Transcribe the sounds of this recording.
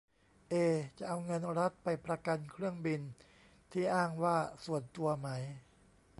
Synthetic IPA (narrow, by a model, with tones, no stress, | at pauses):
ʔeː˧t͡ɕa˨˩ʔa˧wŋɤ˧nɾa˦˥t̪̚pa˧jpɾa˧ka˧nkʰɾɯ˥˩əŋbi˧n | t̪ʰiː˥˩ʔaː˥˩ŋwaː˥˩su˨˩ənt̪u˧ɐma˦˥j